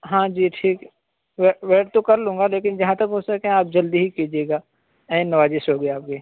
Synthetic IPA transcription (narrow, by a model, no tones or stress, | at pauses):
ɦãːd͡ʒiːʈʰiːk | ʋeʋeːʈt̪okɐɾlũːŋɡaleːkɪnd͡ʒɐɦãt̪ɐkɦot͡ʃsɐkeɦẽaːp̚d͡ʒɐld̪iɦikiːd͡ʒieːɡaː | ɛ̃ẽnɐʋaːd͡ʒesoːɡeaːp̚keː